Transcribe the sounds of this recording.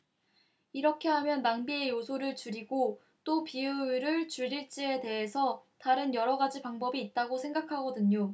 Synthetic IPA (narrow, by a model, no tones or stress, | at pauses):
iɾʌkʰe̞ɦamjʌnmaŋbie̞josʰoɾɯɭt͡ɕuɾiɡo | t͈opiuɾɯɭt͡ɕuɭːiɭt͡ɕ͈ie̞de̞ɦesʰʌtaɾɯnjʌɾʌɡad͡ʑipaŋbʌbiːt̚t͈aɡosʰe̞ŋɡakʰaɡʌdɯɲo